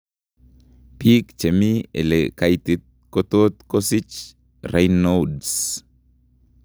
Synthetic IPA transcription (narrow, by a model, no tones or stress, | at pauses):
pikt͡ʃemiḛlekajt̪it̪̚kot̪ot̪kosit͡ʃ | rajnods